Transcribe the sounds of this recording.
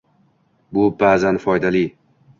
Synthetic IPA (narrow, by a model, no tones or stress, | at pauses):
bʊbaːzanfɒjd̪ali